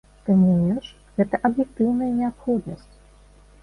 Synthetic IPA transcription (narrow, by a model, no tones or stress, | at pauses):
t̪ɨmnujɛʂ | ɣɛt̪ɐʔɐbjɛkt̪ɨwnɐjɐnʲɛapxɔd̪nɐsʲt͡sʲ